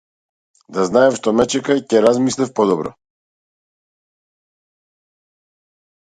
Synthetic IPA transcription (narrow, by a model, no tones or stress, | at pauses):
d̪aznaɛfʃt̪ɔmɛt͡ʃɛkacɛɾazmislifpɔd̪ɔbɾɔ̰